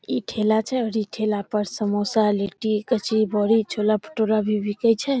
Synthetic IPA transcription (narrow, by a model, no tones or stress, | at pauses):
iʈʰelat͡ʃʰɛəɾiʈʰelapəɾsəmosaleʈikət͡ʃʰibɔɽit͡ʃʰolapʰə̥ʈoɾabʱibikəjt͡ʃʰɛ